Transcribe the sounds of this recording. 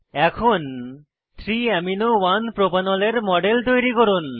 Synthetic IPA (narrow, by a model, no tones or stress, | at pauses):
ɛkʰon | t̪ʰɾiɛminowanpɾopanɔleɾmɔɖelt̪ojɾikɔɾun